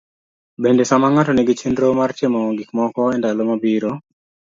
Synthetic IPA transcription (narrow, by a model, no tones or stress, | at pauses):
bendesamaŋatɔneɡit͡ʃʰinɾomaɾt͡ʃemɔɡikmɔkɔɛndalomabiːɾo